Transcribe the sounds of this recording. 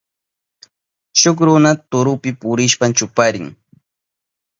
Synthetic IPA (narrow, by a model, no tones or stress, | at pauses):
ʃʊχɾʊnat̪ʊɾʊpɪpʊɾɪʃpant͡ʃʊpaɾɪ̰ŋ